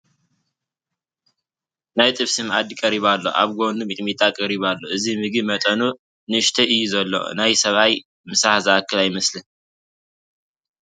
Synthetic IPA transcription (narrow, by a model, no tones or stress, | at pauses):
najt̪ʼɨβsɨmad̪ikʼɐɾiβalːo̞̰ʔa̰βɡond̪umɨt̪ʼmit̪ʼakʼɐɾiβalːo̞ʔɨzimɨɡɨmɐt̪ʼɐnu | nɨʃt̪ʰɐʔɨjːuzɐlːo̞̰najsɐβaj | mɨsahzɨakʰːɨlajmɐslɨn